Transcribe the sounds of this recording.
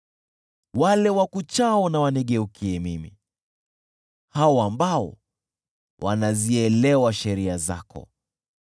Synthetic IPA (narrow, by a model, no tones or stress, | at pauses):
walɛwakut͡ʃaɔnawaniɠɛukʰiɛmimḭ | haɔambaɔ̰ | wʔa̰naziɛlɛwaʃɛɾiaza̰kɔ̰